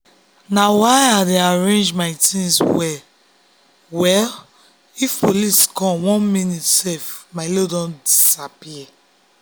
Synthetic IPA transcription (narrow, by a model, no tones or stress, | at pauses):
nawaɪadeaɹẽnd͡ʒmaɪtĩnswɛ | wɛl | ifpoliskɔ̃mwɔ̃nmĩnitsɛfmaɪlodɔ̃ndisapiɛ